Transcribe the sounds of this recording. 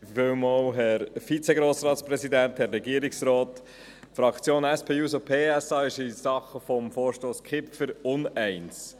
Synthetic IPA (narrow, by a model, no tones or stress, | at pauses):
vɪmɔwɦɛɾfit͡sɛɡɾoːsɾɑːt̪spɾɛsidænthɛɾːɛɡiəɾiksɾɔːt | fɾɑkt͡sjoːnɛspʰeːuːsopʰeːɛsɑːɪʃɪsɑχəfɔmfɔːɾʃtoːskʰɪptfʏɾʊnɛɪns